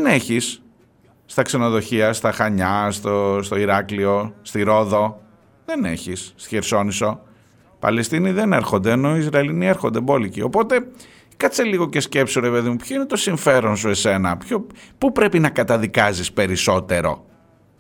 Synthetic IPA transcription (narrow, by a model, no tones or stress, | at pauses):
eneçisː | t̪ɐkseno̞ðo̞çiɐst̪ɐxɐɲɐst̪ost̪o̞iɾɐklio̞st̪iɾo̞ðo̞ | ðe̞ne̞̰çist̪çeɾso̞niso̞ | pɐ̰le̞st̪iniðe̞ne̞ɾxo̞nd̪eːno̞izɾɐelinie̞ɾxo̞nd̪ebo̞licio̞po̞t̪e̞ | kɐt͡se̞liɣo̞ce̞sce̞psiɾe̞pe̞ðimupço̞ine̞t̪o̞siɱfe̞ɾo̞ns̬ue̞se̞nɐpçopupɾe̞pinɐkɐt̪ɐðikɐzispe̞ɾiso̞t̪e̞ɾo̞̰